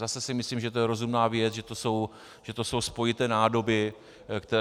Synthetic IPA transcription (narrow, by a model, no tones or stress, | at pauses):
zasɛsɪmɪsliːmʒɛt̪o̞jɛɾo̞zumnaːvjɛt͡sʒɛt̪o̞so̞w | ʒ̥ɛt̪o̞so̞wspo̞jɪt̪ɛːnaːdo̞bɪ | kt̪ɛ